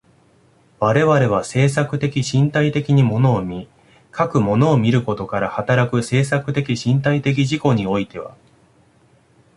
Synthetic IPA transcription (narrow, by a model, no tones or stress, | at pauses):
βaɾe̞βaɾe̞β̞ase̞ːsakɯ̟t̪e̞kʲiɕĩnt̪ait̪e̞kʲiɲ̟imo̞no̞ːmʲi | kʰakɯ̟mo̞no̞ːmʲiɾɯ̟ko̞t̪o̞kaɾahat̪aɾakɯ̟se̞ːsakɯ̟̥t̪e̞kʲiɕĩnt̪ait̪e̞k̬ʲiʑiko̞ɲ̟io̞it̪e̞βa̰